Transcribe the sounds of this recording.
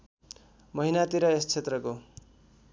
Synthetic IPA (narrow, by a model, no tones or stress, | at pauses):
mʌɦinat̪iɾʌest͡sʰet̪rʌko